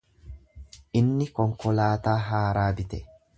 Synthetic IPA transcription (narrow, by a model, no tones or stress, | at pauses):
ʔɪnːɪkɔŋkɔlaːt̪aːɦaːɾaːbɪt̪ɛ